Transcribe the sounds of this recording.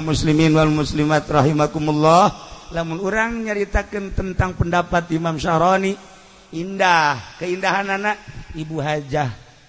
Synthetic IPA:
musliminwalmuslimat̪rɑɦimakumulːɔhlamʊnuɾaŋɲəɾit̪akənt̪ənt̪aŋpəndapat̪imamʃaɾɔni | indahkəindaɦananaibuɦad͡ʒah

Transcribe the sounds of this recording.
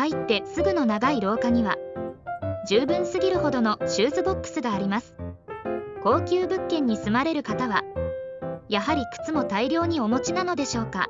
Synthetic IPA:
ait̪ːe̞sɨɡɯ̟no̞naɡaiɾo̞ːkaɲ̟iβa | d͡ʑɨːbɯ̟̃ɰ̃sɨɡʲiɾɯ̟ho̞d̪o̞no̞ɕɨːzɨbo̞kːɯ̥sɨɡaːɾʲimasɨ̥ | ko̞ːkʲɨːbɯ̟kːẽ̞ɲ̟ːisɨmaɾe̞ɾɯ̟kat̪aβa | jaɦaɾʲikɯ̟̥t͡sɨmo̞t̪aiɾʲo̞ːɲ̟io̞mo̞t͡ɕinano̞d̪e̞ɕo̞ːka̰

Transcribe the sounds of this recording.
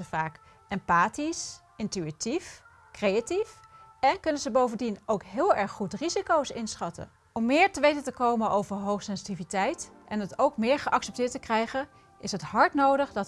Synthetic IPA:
əvaːk | ɛmpaːtis | ɪntyitif | krejatifɛnkɵnənzəbowvəndinowkɦɪːlˠɛɹχːutrizikowsɪnsχɑtə̰ | ɔmːɪːɹtəʋejtəntəkowmənʔowvəɹɦowχsɛnsitivitɛjt | ʔɛnɦətowkmɪːɹχəʔɑksɛp̚tɪːtəkrɛjχən | ʔɪsɦətɦɑɹtnowdəχdɑt

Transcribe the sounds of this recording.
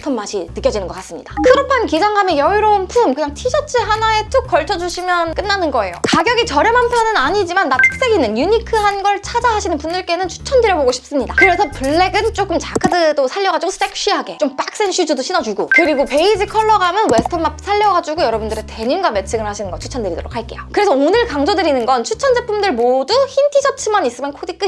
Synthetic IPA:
tʰʌmmaɕʰinɯk͈jʌd͡ʑinɯnɡʌk͈as͈ɯmɲḭd̥akɯɾʌpʰankid͡ʑaŋɡame̞jʌiɾʌunpʰumkɯɲaŋtʰid͡ʑʰʌt͡ɕʰiɦanae̞tʰok͈ʌɭt͡ɕʰʌd͡ʑuɕʰimjʌnk͈ɯnːanɯnɡʌe̞jo̰kaɡjʌɡit͡ɕʌɾjʌmampʰjʌnɯnaɲid͡ʑimanːatʰɯ̥k̚s͈eɡinːɯnjuɲikʰɯɦanɡʌɭt͡ɕʰad͡ʑaɦaɕʰinɯnpundɯɭk͈e̞nɯnt͡ɕʰu̥t͡ɕʰʌndɯɾjʌboɡoɕʰi̥p̚s͈ɯmɲidakɯɾe̞sʰʌpuɭːe̞ɡɯnt͡ɕ͈ok͈ɯmt͡ɕakʰɯdɯdosʰaʎːʌɡad͡ʑuɡosʰɯ̥t͈ek̚ʰɕ͈iɦaɡe̞t͡ɕ͈omp͈ak̚s͈enɕʰud͡ʑudoɕʰinʌd͡ʑuɡo̰kɯɾiɡope̞id͡ʑɯkʰʌɭːʌɡamjʌnwesɯ̥tʰʌmap̚sʰaʎːʌɡad͡ʑuɡojʌɾʌbundɯɾete̞ɲinɡwame̞t͡ɕʰeɡɯɭhaɕʰinɯnɡʌt͡ɕʰu̥t͡ɕʰʌndɯɾido̰ɾo̰kʰaɭk͈e̞jokɯɾe̞sʰʌonɯɭkaŋd͡ʑʌdɯɾinɯnɡʌnt͡ɕʰut͡ɕʰʌnd͡ʑepʰumdɯɭmoduçintʰid͡ʑʰʌt͡ɕʰɯmanis͈ɯmjʌnkʰodik͈ɯ

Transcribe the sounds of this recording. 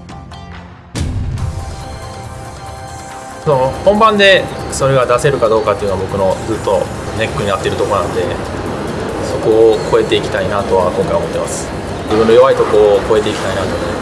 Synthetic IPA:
sonohõ̞mbãnd̪e̞so̞ɾe̞ɡad̪ase̞ɾɯ̟kad̪o̞ːkat̪ːeɯ̟noabo̞kɯ̟no̞d͡zɨt̪ːo̞ne̞kːɯ̟ɲ̟iat̪ːeɾɯ̟t̪o̞ko̞nãnd̪e̞ | so̞ko̞ːko̞e̞t̪e̞ikʲi̥t̪ainat̪o̞βakõŋkaiβaomo̞t̪ːemasɨ̥ | d͡ʑibɯ̟̃nːojo̞βait̪o̞ko̞ːko̞e̞t̪e̞ikʲi̥t̪ainat̪od̪e

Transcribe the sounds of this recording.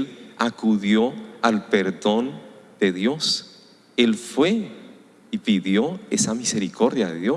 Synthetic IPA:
lakuðjoalpeɾðo̞nd̪̥e̞ðjo̞s | elfwe̞ | ipiðjo̞esamise̞ɾikʰo̞ɾðjaðeðjo

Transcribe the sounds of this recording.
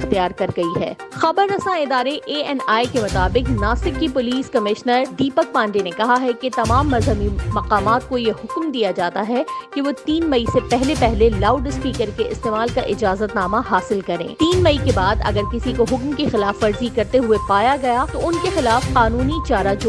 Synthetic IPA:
ɪxt̪ijaːɾkɐɾɡɐiɦɛ̰ː | xɐbəɾːɐsãɪd̪aːɾeʔeːɛnaːikemʊt̪aːbɪqnaːsɪkːipʊliːskɐmɪʃnəɾɖ̪iːpək̚pãːnɖenekɐɦaɦɛket̪ɐmaːmːɐzɦəmimɐqaːmaːt̪̚kojeɦʊkmd̪ijad͡ʒaːt̪aɦɛkeʋot̪iːnmɐisepɛɦlepɛɦlelaːʊɖɪspiːkəɾkeɪ̰st̪eːmaːlkaʔɪd͡ʒaːzət̪naːmaɦaːsɪlkɐɾḛ̃ːt̪iːnmɐikebaːd̪ɐ̰ɡəɾkɪsikoɦʊkmkexɪlaːfːɐɾzikɐɾt̪eɦuepaːjaɡɐjat̪oʊnkexɪlaːfqaːnuːnit͡ʃaːɾad͡ʒo

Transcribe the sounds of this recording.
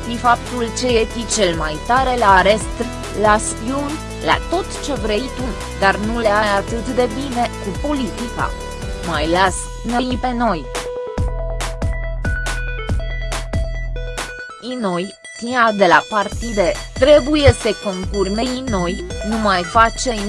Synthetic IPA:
fifap̚t̪ult͡ʃe̞jefit͡ʃe̞lmajt̪aɾe̞laɾe̞st̪ | las | iun | la̰t̪o̞t̪t͡ʃe̞vɾe̞it̪u | d̪arnuleajat̪ɨt̪d̪e̞bine̞kupo̞lit̪ika̰ | majlas | nejipe̞no̞j | ino̞j | fiad̪e̞lapart̪id̪et̪ɾe̞buje̞sekoŋkurʲmeino̞jnumajfat͡ʃe̞

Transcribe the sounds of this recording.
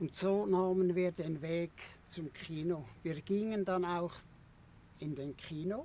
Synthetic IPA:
ʊntsoːnaːmənviːdenveːɡt͡sʊmkʰiːnoviːɾɡ̥iŋəndɑnaʊx | ɪndenkʰiːno

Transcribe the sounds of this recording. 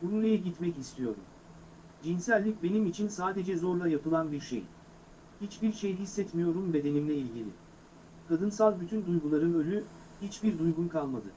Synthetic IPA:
bunulˠijɛɟit̪mɛcist̪ʰijo̞̰ɾṵm | d͡ʒinsælʲːic̚be̞nimit͡ʃʰinsaːd̪e̞d͡ʒɛzo̞ɾlˠajapɯlˠanbiɾʃḛj | hit͡ʃbiɾʃejɦisːɛt̪mijo̞ɾumbe̞d̪e̞nimlʲɛilʲɟilʲɪ̰ | kʰad̪ɯns̬alˠbyt̪ʰynd̪ujɡulˠaɾɯnø̞lʲy | hit͡ʃbiɾd̪ujɡunkʰalˠmad̪ɯ̰

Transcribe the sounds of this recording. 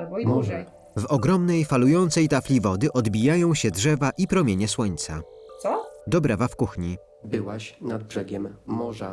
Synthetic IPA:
ɔa | vɔɡɾɔmnɛjfalujɔnt̪sɛjt̪aflʲivɔd̪ɘʔɔd̪bʲijajɔ̃w̃ɕɛdʐɛvaʔipɾɔmʲjeɲɛswɔɲt̪sa̰ | d̪ɔbɾavafkuxɲi | bɘwaɕnad̪̚bʐɛɡʲɛmːɔʐa

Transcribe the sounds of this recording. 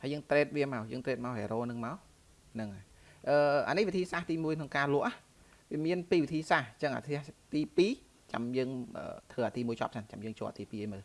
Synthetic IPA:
haəjəːŋt̪ɾeːt̪̚ʋiəmaɔjəːŋt̪ɾɛːt̪̚maɔɦḛːɾoːnɨŋmaɔ | nɨŋʔa | ʔəːʔa̰nɨhʋit̪ʰiːsaːht̪iːmuəjkʰnoŋkaːlʊ̆əʔah | ʋiəmiənpiːʋit̪ʰiːsaht͡ɕəŋʔa̰ːt̪ʰiəht̪iːpiː | t͡ɕa̰mjəːŋʔə̰ːt̪ʰʋəːʔaːt̪iːmuəjt͡ɕɑ̰ːp̚t͡ɕʰant͡ɕamjəːŋt͡ɕo̰ːəʔt̪iːpiːʔəjməə

